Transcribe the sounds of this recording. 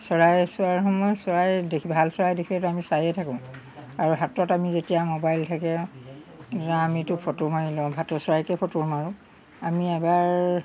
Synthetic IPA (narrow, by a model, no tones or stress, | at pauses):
sɔɹajsʊaɹxɔmɔjsɔɹajdebʱalsɔɹajdekʰilɛtuamisajɛtʰakʊ̃ʊ̃ | aɹuɦatɔtamizetijamobajltʰakɛ | taamitʊpʰɔtʊmaɹilɔ̃bʱatɔsɔɹajkɛpʰɔtʊɹmaɹʊ̃ | amiɛbaɹ